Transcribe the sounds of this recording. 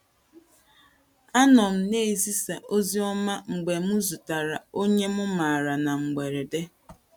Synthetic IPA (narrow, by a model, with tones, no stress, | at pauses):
a˦nɔ˨m̩˦ne˦e˨zi˦sa˨ʔo˦zi˦ɔ˦ma˦ŋ͡m̩˨ɡ͡be˨mʊ˦zu˨ta˨ɾa˨o˦ɲe˦mʊ˦ma˨ɾa˨na˨ŋ͡m̩˨ɡ͡be˨ɾe˨de˦